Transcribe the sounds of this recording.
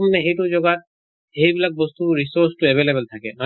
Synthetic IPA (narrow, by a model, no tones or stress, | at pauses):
mneɦeʈud͡ʒɔɡat̪̚ | hebilak̚bɔst̪uɾisoɾsʈueβelebəlt̪ʰakenɔ